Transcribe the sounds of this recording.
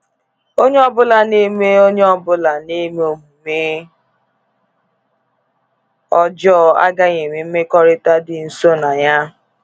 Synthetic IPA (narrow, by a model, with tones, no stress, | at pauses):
o˦ɲe˦ɔ˦bʊ˦la˨ne˦me˦o˦ɲe˦ɔ˦bʊ˦la˨ne˦me˦o˨mu˨me˦ | ɔ˦d͡ʒɔ˦˨a̰˦ɡa˦ɲe˨me˨m̩˦me˦kɔ˦ɾɪ˦ta˦dɪ˨n̩˨so˦na˨ɲa˦